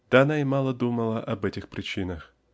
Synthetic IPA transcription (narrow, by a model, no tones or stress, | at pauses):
d̪̥aɐnaɪmɑlˠəd̪uməlˠəʔɐbɛtʲɪxpɾʲɪt͡ɕinəx